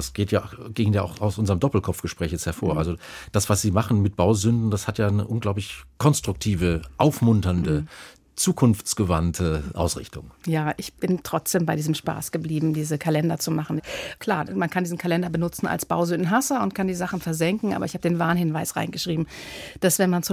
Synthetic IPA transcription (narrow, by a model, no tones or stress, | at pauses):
asɡ̥eːtjaːɡ̥ɪŋɡən̩jaːʔaʊxaʊsʔʊnzəʁəmdɔpl̩kʰɔpp͡fɡ̥əʃpʁ̥ɛːçjɛt͡sthɛɐfoːɐʔa̰lzod̥asv̥asz̥iːmaχn̩mɪt̚b̥aʊzʏndn̩d̥ashatjaːnəʔʊnɡlaʊplɪçkʰɔnstʁ̥ʊk̚tʰiːvəʔaʊfmʊntɐndə | t͡suːkʰʊnft͡sɡ̥əvantʰəʔa̰ʊsʁɪ̰çtʊŋjaːʔɪçb̥ɪntʁ̥ɔt͡sd̥eːmbaɪdiːzəmʃpa̰ːsɡ̥əbliːbm̩diːzəkʰalɛndɐt͡sumaχn̩kʰl̥aːɐmankʰandiːzn̩kʰalɛndɐbənʊt͡sn̩a̰lsb̥a̰ʊzʏndn̩ɦasəʊntkʰandiːzaχn̩fɛɐzɛŋkŋ̩ʔa̰ːbɐɪçhaːbədeːnvaːnhɪnvaɪsʁa̰ɪnɡəʃʁ̥iːbm̩d̥asv̥ɛnmant͡s